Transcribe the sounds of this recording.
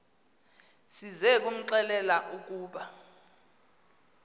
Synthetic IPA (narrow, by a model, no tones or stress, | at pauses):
sizɛk̬ʼum̩ǀɛlɛlaʔuk̬ʼuːɓa